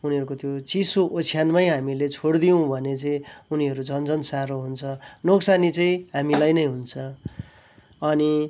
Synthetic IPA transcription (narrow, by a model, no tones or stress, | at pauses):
uniɦʌɾukot̪jot͡sisoʔot͡sʰijanmajɦamilet͡sʰoɽd̪ijõbʱʌnet͡sʌĩuniɦʌɾud͡zʌnd͡zʌnsaɾoɦunt͡sʰʌnoksanit͡sʌĩɦamilajnʌjɦunt͡sʰʌ | ʌni